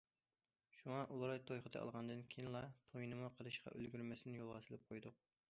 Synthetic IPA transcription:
ʃuŋɑʔulˠɾɑjt̪ʰojχəd̪ɛ̰ɑ̰lˠʁɑnd̪ɨnkʲʰejnlˠɑt̪ʰojnɨmuqʰəlˠɨʃqʰɑ̰ʔølɡʲyɾmɛsɪnɪjolˠʁɑt̪ʰɨlˠɨp̚qʰojd̪ʊq̚

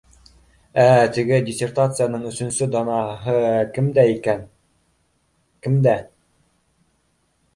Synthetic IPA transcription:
æt̪ɘ̆ɡɘdʲɪsʲert̪at̪sɨjanɤɴɵ̆sɵ̆nsɵd̪ɑnɑɦɤkɘmd̪æikæn | kɘ̆md̪æ

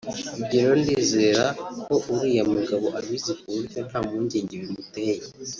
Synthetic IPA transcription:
ubɟeɾo̞ndiːzeɾakoʔuɾijamuɡaβo̞ʔaβizikunhen̥haːmuːɲɟeːɲɟeɾimuteːje

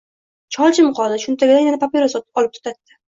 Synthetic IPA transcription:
t͡ʃʰɒlˠt͡ʃʰɪmqʰɒlˠd̪ɪʃʊnt̪ʰaɡʲɪd̪ajanɪpʰapʲeɾast̪ɒlˠɪp̚t̪ʰʊ̥t̪ʰat̪ːɪ̥

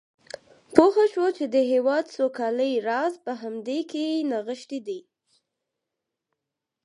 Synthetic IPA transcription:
poxaʃwot͡ʃed̪əɦewɑd̪sokɑləjɾɑzpəɦamd̪ekenaɣəʃt̪id̪i

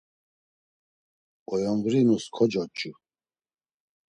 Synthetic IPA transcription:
ɔjɔŋɡɾinuskʰɔd͡ʒɔt͡ʃʼu

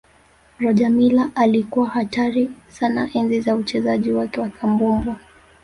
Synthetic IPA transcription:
ɾɔʄamilaʔalikuwahataɾisana̰ʔɛnzizaut͡ʃɛzaʄiwakɛwakʰambumbwa

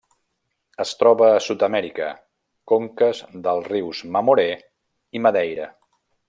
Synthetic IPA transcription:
əst̪ɾɔβəːsut̪əmɛɾikə̰ | koŋkəzðəlˠriwzməmuɾe | iməðɛjɾə̰

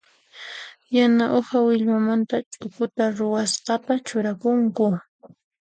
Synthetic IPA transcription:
janaʔohawɪʎwamant̪at͡ʃʼʊkʊt̪aɾʊwasqɑt̪at͡ʃʊɾakʊŋkʊ

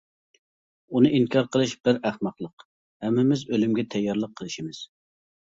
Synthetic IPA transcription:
unɨʔiŋkʲʰɑɾqəlˠɨʃb̥ɪɾæhmɑqlˠəq | hɛmːɪmɪzølymɡʲɛt̪ʰɛjːɑɾlˠəqʰːəlˠɨʃimɪz̥

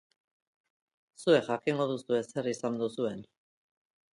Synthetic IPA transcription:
sue̞xakiŋɡo̞ðusue̞se̞risand̪usue̞n

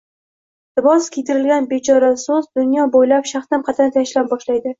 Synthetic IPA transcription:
lɪbɒskʲʰijt̪ɪɾɪlɡʲanbe̞t͡ʃʰɒɾasozd̪ʊnjɒbojlapʃaχt̪amqʰɑt̪ʰɪnɪt̪ʰaʃlap̚bɒʃlajd̪ɪ

